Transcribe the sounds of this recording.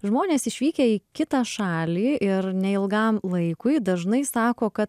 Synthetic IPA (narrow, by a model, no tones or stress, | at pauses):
ʒmoːnʲeːsɪʃʲʋʲiːkʲeːiːkʲɪt̪ɑːʃɑːlʲiːɪɾnʲɛɪlˠɡɐmlˠɐɪkʊɪd̪ɐʒnɐɪsɑːkoːkɐt̪